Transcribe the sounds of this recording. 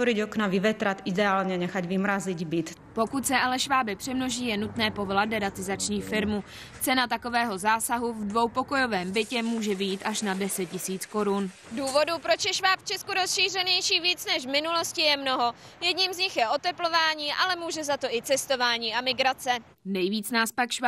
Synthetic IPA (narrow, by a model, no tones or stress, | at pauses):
oɾiɟoknaʋiʋɛt̪ɾat̪id̪ɛaːlɲɛɲɛxaɟʋimɾaziɟbit̪ | po̞kut̪sɛʔalɛʃvaːbɪpr̥ɛmno̞ʒiːjɛnut̪nɛːpovladɛɾat̪ɪzat͡ʃɲiːfɪɾmu | t͡sɛnat̪ako̞vɛːɦo̞zaːsaɦuvdvo̞wpo̞ko̞jo̞vɛːmbɪcɛmuːʒɛvɪjiːt̪ʔaʃnadɛsɛt̪̚cɪsiːt͡sko̞ɾun | duːvo̞dupɾo̞t͡ʃjɛʃvaːpft͡ʃɛskuɾosʃiːr̝ɛɲɛjʃiːviːt͡snɛʃvmɪnulo̞scɪjɛmno̞ɦo̞ | jɛdɲiːmzɲɪxjɛʔo̞t̪ɛplo̞vaːɲiːʔalɛmuːʒɛzat̪o̞ʔɪt͡sɛst̪o̞vaːɲiːamɪɡɾat͡sɛ | nɛjviːt͡snaːspakʃva